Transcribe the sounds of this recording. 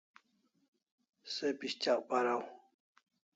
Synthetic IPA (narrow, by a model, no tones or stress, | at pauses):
sepiɕt͡ɕaʔpaɾaw